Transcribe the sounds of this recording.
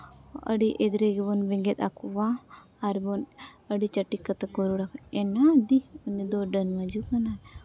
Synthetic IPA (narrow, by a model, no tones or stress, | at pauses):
ə̰ɽiʔed̪ɾeɡebɔnbɛŋɡɛt̪a̰kʰuwaː | ɾbɔnəɽit͡ʃəʈːikːət̪akɔɾuɽakʰɛnad̪iunːid̪ɔɖənmad͡ʒukana